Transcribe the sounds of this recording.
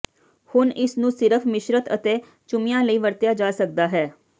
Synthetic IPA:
hʊnɪsnũːsɪɾəpʰmɪʃɾət̪ət̪eː | t͡ʃʊmɪjãːləiːʋəɾt̪jaːd͡ʒaːsək̚d̪aːɦɛː

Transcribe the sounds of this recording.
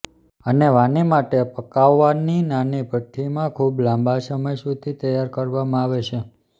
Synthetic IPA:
əneʋanimaʈepəkaʋːaninanibʱəʈʰːimãkʰublãmbasəməjsud̪ʰʱit̪əjːaɾkəɾʋamãaʋet͡ʃʰe

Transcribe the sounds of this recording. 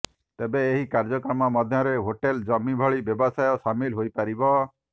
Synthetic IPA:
t̪ebeːɦikaɾd͡ʒɔkɾɔmɔmɔd̪ʱjɔɾeɦoʈeld͡ʒɔmibʱɔɭibjɔbɔsajɔsamilɦojpaɾibɔ

